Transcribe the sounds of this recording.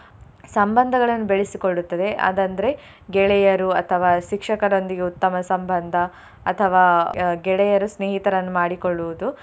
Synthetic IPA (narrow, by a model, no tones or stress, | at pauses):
sɐmbɐnd̪ʱɐɡɐɭɐnːubeɭesikoɭːut̪ːɐd̪e̞ʔa̰ːd̪ɐnd̪ɐɾe̞ | ɡɛɭɛjɐɾuɐt̪ʰɐʋaːʃikʂɐkɐɾo̞nd̪iɡe̞ut̪ːɐmɐsɐmbɐnd̪ʱɐ | ɐt̪ʰɐʋaːɡɛɭɛjɐɾusneːɦit̪ɐɾɐnːumaːɽikoɭːuʋud̪u